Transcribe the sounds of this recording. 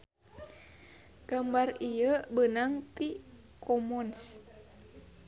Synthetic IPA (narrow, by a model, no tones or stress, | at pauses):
ɡ̥ambarijəbənaŋt̪i | kʰɔmɔns